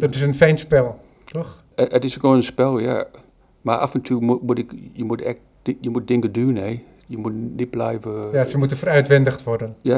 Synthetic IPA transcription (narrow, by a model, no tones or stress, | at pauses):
dɔtɪs̬ənfɛjnspɛlˠ | tɔx | ətɪskonənspɛlˠja | maʔa̰fəntʰyəmumutɪkjəmutɛk̚ | jəmut̚dɪŋkədyəneː | jəmutnɪt̚blɛjvəjasəmutəfəɾœɥtʋɛndəxtʋɔrdənja